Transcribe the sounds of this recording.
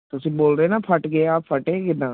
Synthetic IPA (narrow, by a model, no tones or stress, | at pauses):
t̪ʊsĩːboːlɾeːnaːpʰəʈɡəeaːppʰəʈẽːkɪnːãː